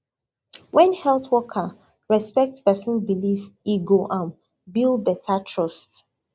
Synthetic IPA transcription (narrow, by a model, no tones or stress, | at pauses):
wɛ̃nhɛlˠθwɔkʰa | ɹɛspɛk̚tpɛsə̃nbilifiɡoʔãn | bilˠbɛtʰatʰɹɔst